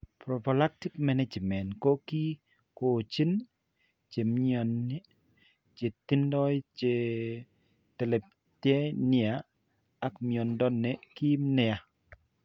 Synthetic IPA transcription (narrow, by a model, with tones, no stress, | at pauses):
pɾo˨pɔ˨la˦k̚ti˦kmɛ˦ne˦d͡ʒmɛ˨nko˦ki˦ | ko˨t͡ʃi˦n | t͡ʃe˨mɲɔ˨n˦ | t͡ʃe˨t̪i˦ndɔ˦t͡ʃe˨ | tɛ˨lɛ˨ | tjɛ˦nɪ˦a˨ | a˦kmiɔ˨ndɔ˦nːe˨ki˦mnɪ˨a˨